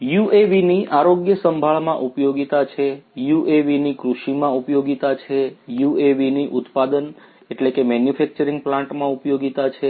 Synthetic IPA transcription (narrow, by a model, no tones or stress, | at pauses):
jueʋiniʔaɾoɡjəsəmbʱaɭmãʔupjoɡit̪at͡ʃʰejuʔeʋinikɾuʃimãupjoɡit̪at͡ʃʰejueʋiniʔut̪pad̪ən | eʈlekemɛnjufɛk̚t͡ʃəɾĩŋɡplãɳʈmãupjoɡit̪at͡ʃʰe